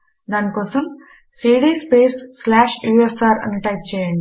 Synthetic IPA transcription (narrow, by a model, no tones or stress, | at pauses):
d̪aːnikɔːsɐm | siːɽiːspeːsːlaːʃjuːesaːɾɐ̰nːiʈɐjp̚t͡ʃɛːjɐɳɖi